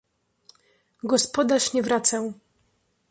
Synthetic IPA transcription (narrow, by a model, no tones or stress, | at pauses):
ɡɔspɔd̪aʂɲɛvɾat̪sɛw